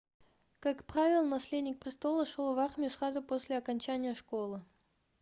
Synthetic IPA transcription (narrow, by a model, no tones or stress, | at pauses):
kakpɾavʲɪlˠnɐsʲlʲed̪ʲnʲɪk̚pɾʲɪst̪o̞lˠəʂolˠvarmʲɪjʊsrazʊpo̞sʲlʲɪɐkɐnʲt͡ɕænʲɪjəʂko̞lˠɨ